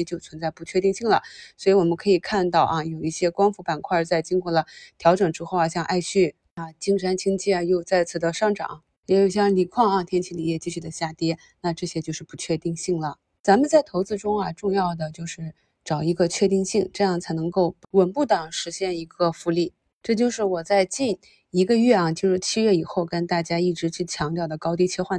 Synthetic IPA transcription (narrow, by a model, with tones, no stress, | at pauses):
ɛ˥t͡ɕjo˥˩ʊt͡sʰwə˧˥nt͡sa˥˧ɪpu˧˥t͡ɕʰɥɛ˥˧t̪i˥˧ŋɕi˥˩ŋlə̰˩swɔ˧˥i˧˥wɔ˨˩mə˦kʰɤ˧˥i˨˩kʰa˥˧nt̪ɑ˥˩ʊʔɐ˧jo˨˩ʊi˥˩ɕjɛ˥kwɑ˥ŋfu˧˥pa˨˩nkʰwa˥˧t͡sa˥˩ɪt͡ɕi˥ŋkwɔ˥˩lə˩t̪ʰjɑ˧˥ʊʈ͡ʂɤ˨˩ŋʈ͡ʂɻ̩˥xo˥˧ʊɐ˩ɕjɑ˥˧ŋʔa˥˧ɪɕy˥˩ | a˧t͡ɕi˥ŋʂa˥nt͡ɕʰi˥ŋt͡ɕʰi˥˩ɐ˩jo˥˧ʊt͡sa˥˩ɪt͡sʰɹ̩˨˩d̪ə˦ʂɑ˥˩ŋʈ͡ʂɑ̰˨˩˦ŋ | jɛ˧˥jo˨˩ʊɕjɑ˥˩ŋli˨˩kʰwɑ˥˩ŋɐ˨˩t̪ʰjɛ˥nt͡ɕʰi˧˥li˨˩jɛ˥˩t͡ɕi˥t͡ɕʰy˥˩d̪ə˧˦ɕja˥˩t̪jɛ˥ | na˥˧ʈ͡ʂɤ˥˩ɕjɛ˥t͡ɕjo˥˧ʊʂɻ̩˥˩pu˧˥t͡ɕʰɥɛ˥˧t̪i˥˧ŋɕi˥˩ŋlə˩ | t͡sa˧˥mə˨nt͡sa˥˩ɪt̪ʰo˧˥ʊt͡sɹ̩˥˧ʈ͡ʂʊ˥ŋɐ˨ʈ͡ʂʊ˥˧ŋjɑ˥˩ʊd̪ə˩t͡ɕjo˥˧ʊʂɻ̩˥˩ | ʈ͡ʂɑ˨˩ʊi˧˥ɡə˧t͡ɕʰɥɛ˥˧t̪i˥˧ŋɕi˥˩ŋʈ͡ʂɤ˥˧jɑ˥˩ŋt͡sʰa˧˥ɪnɤ˧˥ŋko˥˩ʊwə˨˩npu˥˩t̪ɑ˨˩ŋʂɻ̩˧˥ɕjɛ˥˩ni˧˥ɡə˧fu˧˥li˥˩ | ʈ͡ʂɤ˥˧t͡ɕjo˥˧ʊʂɻ̩˥˩wɔ˨˩t͡sa˥˧ɪt͡ɕi˥˩n | i˧˥ɡə˧ɥɛ˥˩ɐ˨˩t͡ɕjo˥˧ʊʂɻ̩˥˩t͡ɕʰi˥ɥɛ˥˩i˨˩xo˥˩ʊkə˥nt̪a˥˩t͡ɕja˥i˥˩ʈ͡ʂɻ̩˧˥t͡ɕʰy˥˩t͡ɕʰjɑ˧˥ŋt̪jʊd̪ə˩kɑ˥ʊt̪ji˥t͡ɕʰɛ˥˧xwa˥˩n